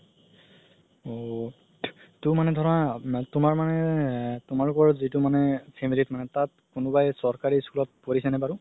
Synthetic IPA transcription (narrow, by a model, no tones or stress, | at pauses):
o | tʊmanɛdʱɔɹɔnatʊmaɹmanɛtʊmaɹlʊkɔɹzitʊmanɛpʰemilitmanɛtat̚ | kʊnʊbajsɔɹkaɹiskulɔt̚poɹisɛnɛbaɹʊ